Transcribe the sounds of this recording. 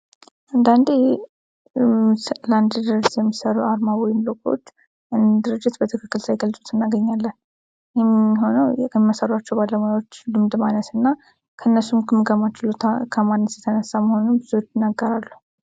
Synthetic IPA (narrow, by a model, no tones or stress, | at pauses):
ʔand̪and̪e | land̪d̪ɾɨd͡ʒt̪jɛmːisəɾuaɾmawɔjɪmlokʼo̞̰t͡ʃː | ʔɨnd̪ɨɾɨd͡ʒːɪt̪bət̪ʰəkʰɨkːɨlsajɡəlsʼut̪ɨnːaɡəɲːalːən | jemːɦo̞nəwɛmːasəɾat͡ʃːɛwbalːəmojawot͡ʃːd̪ɨmd̪manət̪ɨnːa | kʰəɨnːəsːumkʰɨmːɨɡəmat͡ʃːɪlokʰəmanːət̪jɛt̪ʰənəsːaməho̞nunbɨzuwot͡ʃːɪnːaɡːəɾalːu